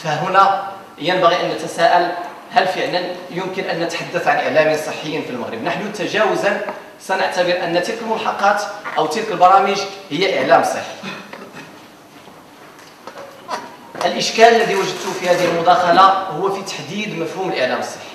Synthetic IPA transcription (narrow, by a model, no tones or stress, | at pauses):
fæɦʊnæ | jənbæɣiʔænːət̪æsæʔəl | hælfəʕlənjʊmkənʔænːət̪ħad̪ːəθʕanʔəʕlæminsˤəħːəjːənfilməɣɾəbnəħnut̪æʒæwəzən | sænəʕt̪əbəɾʔənːt̪ilkəlmʊlħɑqːɑt̪ʔəwt̪ilkəlbɑɾˤɑməʒhəjːæʔəʕlæmsˤəħːi̥ | ʔəlʔəʃkæləlːæd̪iwəʒəd̪̚t̪ʊfihæd̪əhəlmʊd̪ɑxɑlahʊwːæfit̪ḁħd̪id̪mæfhuməlʔəʕlæməsˤːə̥ħːi̥